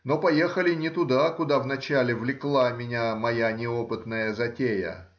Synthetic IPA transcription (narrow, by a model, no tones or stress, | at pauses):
no̞pɐjexəlʲɪnʲɪt̪ʊd̪akʊd̪avnɐt͡ɕalʲɪvlʲɪklˠamʲɪnʲamɐjanʲɪopɨt̪nəjəzɐtʲejə̰